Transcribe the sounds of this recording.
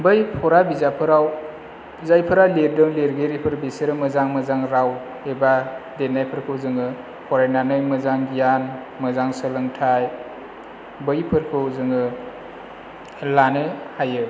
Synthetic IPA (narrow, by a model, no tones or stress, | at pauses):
bɯjpʰɔɾabizapʰɯɾaw | zajpʰɯɾaleɾdɯŋleɾɡeɾipʰɯɾbiseɾɯmɯzaŋmɯzaŋɾaw | ebadenajpʰɯɾkʰɯwzɯŋɯ | pʰɔɾajnanɯjmɯzaŋɡijan | mɯzaŋsɯlɯŋtʰaj | bɯjpʰɯɾkʰɯwzɯŋɯ | lanɯhajɯ